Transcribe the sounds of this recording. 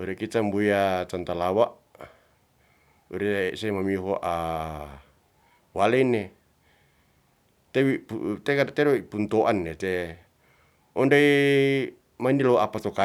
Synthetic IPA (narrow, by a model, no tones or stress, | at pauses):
uɾɛkit͡ʃambujat͡ʃant̪alawaʔ | ṵɾesemamiɦoʔa | waleine | t̪ewiput̪ekat̪eɾoipunt̪oʔanːet̪e | ɔndai | mainilowapat̪oka